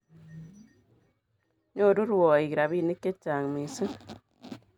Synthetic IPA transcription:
ɲo˦˨ɾu˦ɾwɔ˨i˨ɣi˨ɾa˨βi˦˨ni˦ke˦t͡ʃa˨ŋmi˨sɨ˦

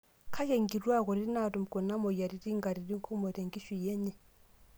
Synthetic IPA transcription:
kʰa˦ke˨ŋɡi˨ɾwa˦kɔ˨ɾi˦na˨ɾu˨m˨kɔ˨na˦mɔ˨ja˨ɾi˨ɾi˦ŋɡa˨ɾi˨ɾi˦ŋkʰu˦mɔ˨ɾe˨ŋɡi˦ʃi˨jɛ˦ɲɛ˨

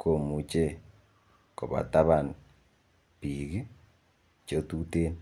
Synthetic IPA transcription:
kʰo˨mu˨t͡ʃe˦˨ | ko˨βa̰˨ta˦βa˨n | pi˨ɣi˦ | t͡ʃo˦tu˦teː˦n

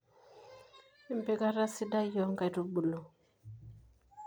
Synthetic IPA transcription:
i˦mpe˦ka˦ɾa˦si˦da˦jɔ˦ŋɡa˨ɾu˦bu˨lo˨

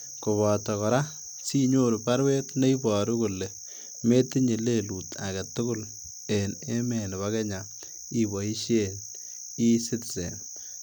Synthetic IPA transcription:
kʊ˨βɔ˨tɔ˨kɔ˨ɾa˦ | si˦ɲo˦ɾu˨pa˦ɾwe˦tne˦i˦bɔ˨ɾu˦ku˨le˨ | me˦ti˦ɲi˨le˦˨lu˨tʰa˨ka˨tʊ˦kʊ˦l | e˨ne˦me˨n˨ba˦ke˦ɲa˨ | i˦bɔ˨i˦ʃe˦n | i˦sɪ˦tsḛ˨n

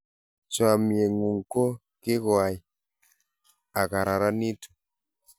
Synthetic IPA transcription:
t͡ʃo˦a˨mi˨e˨ŋu˨ŋko˦ | ki˦ko˨a˨j | a˨ka˨ɾa˨ɾa˦ni˦tu̥˨

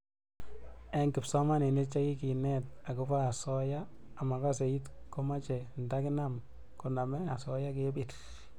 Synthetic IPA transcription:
ɛ˦ŋkɪ˨psɔ˦ma˦ne˨ne˦t͡ʃa˦ki˦ki˨nɛ˦t̚a˨ku˦pa˦a˨sɔ˦jaː˦˨ma˨ka˦se˨i˦tko˦ma˦t͡ʃɛ˨nda˦kɪ˦nam | ko˨na˨mɛ˦a˨sɔ˦ja˦ke˦bi˨t

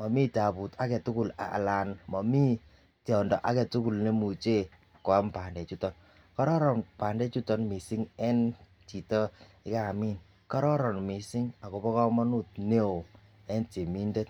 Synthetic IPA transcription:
mɔ˨mi˦ta˨pu˨ta˦kɛ˨tu˦ku˦la̰˨la˨nmɔ˨mi˦ | tɔ˨ndɔ˨ʔa˦kɛ˨tu˦ku˨lne˦mu˨t͡ʃe˦ | a˨kɔ˨a˦mpa˨ndɛ˨t͡ʃu˦tɔ˨n | kɔ˦ɾɔ˦ɾɔ˨npa˨ndɛ˦t͡ʃu˦tɔ˦nmi˨si˦ŋɛ˦n | t͡ʃi˨tɔ˦ | ɪ˦ka˦˨mi˦n | kɔ˦ɾɔ˦ɾɔ˨nmi˨si˦ŋa˨ko˨bɔ˦kɔ˦mɔ˦nu˦t̚ne˦o˨ | ɛ˦nte˨mi˦nde˦t

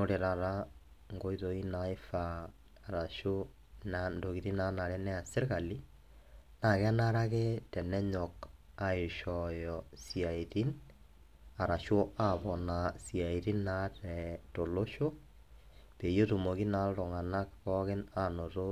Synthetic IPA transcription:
no˨ɾe˨ɾa˨ɾa˦ | ŋɡo˦i˦ðo˨i˦nai˦faː˨ | ɾa˨ʃo˦ | nando˨ɣi˨ɾi˦na˦na˨ɾɛ˦nɛ˦a˨se˦ɾɣa˨li˦ | na˨ɣɛ˦a˦na˦ɾa˦ɣetɛ˨nɛ˦ɲɔ˨k | a˨eʃɔjɔsia˨i˨ti˦n | a˨ɾa˨ʃo˦a˦βɔ˨na˨sia˨i˨ɾi˦na˦tɛto˨lo˦ʃo˦ | pe˨jo˦tu˨mo˨ɣi˦na˨ɾo˨ŋa˨na˦kkɔ˦ɣe˦na˦no˨ɾo˦

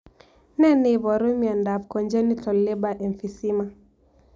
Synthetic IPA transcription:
nɛ˦ne˨βɔ˨ɾu˦mia˨nda˨vkɔ˨nd͡ʒɛ˦ni˦tɔ˨lːɛ˦ba˨ʔɛ˨ɱfi˨si˦ma˦

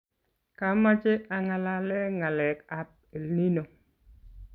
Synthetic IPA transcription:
ka˨ma˦t͡ʃe˦a˨ŋa˨la˨lɛ˦ŋa˨lɛ˨ka˦p̚e˨lni˦no˨

